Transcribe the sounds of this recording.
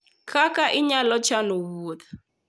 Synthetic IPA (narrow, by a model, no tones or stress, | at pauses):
kʰakaʔiɲalɔt͡ʃanoβuːða